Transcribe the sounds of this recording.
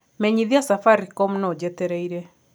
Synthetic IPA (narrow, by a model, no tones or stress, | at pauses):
mɛɲiðiɔsafaɾikɔmnɔd͡ʒɛt̪eɾaiɾe